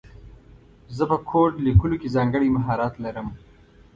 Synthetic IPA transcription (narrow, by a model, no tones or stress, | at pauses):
zəpəkʰoːʈlikulokezɑːŋɡəɽimaɦɑːɾɑːt̪laɾəm